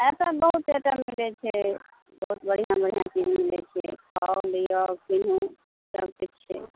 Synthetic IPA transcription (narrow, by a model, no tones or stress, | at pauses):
ɛsabəɦut̪et̪amilɛt͡ʃʰɛ | bəɦut̪̚bəɽ̤ijãbəɽ̤ijãt͡ʃinmilɛ̰t͡ʃʰɛ̰kʰɔlijɔkinũ | sə̰bkut͡ʃt͡ʃʰɛ̰